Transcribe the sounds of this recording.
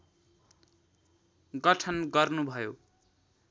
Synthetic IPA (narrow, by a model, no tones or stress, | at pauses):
ɡʌʈʰʌnɡʌrnubʱʌjo